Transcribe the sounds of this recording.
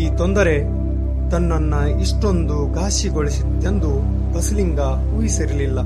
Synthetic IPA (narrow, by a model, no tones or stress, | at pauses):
iːt̪ond̪ɐɾe̞ | t̪ɐnːɐnːɐ | iʂʈo̞nd̪uɡaːʃiɡoɭisid̪d̪e̞nd̪u | bɐsliŋɡɐ | uːjisiɾililːɐ